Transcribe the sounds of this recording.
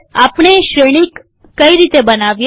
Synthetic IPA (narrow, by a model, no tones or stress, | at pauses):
apɳ̃eʃɾeɽ̃ikː | əiɾit̪ebənaʋj